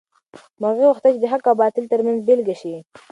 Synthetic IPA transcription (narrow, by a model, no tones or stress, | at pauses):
maɣeɣuxt̪at͡ʃɪd̪əɦakabɑt̪ɪlt̪əɾmanzbelɡaʃi